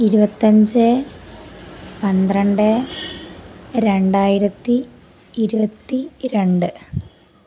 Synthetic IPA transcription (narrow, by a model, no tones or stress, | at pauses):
iɾubɐt̪ːɐɲd͡ʑɨ | pɐnd̪rɐɳɖɨ | ɾe̞ɳɖaːjiɾɐt̪ːiː | ɾubɐt̪ːiɾe̞ɳɖɨ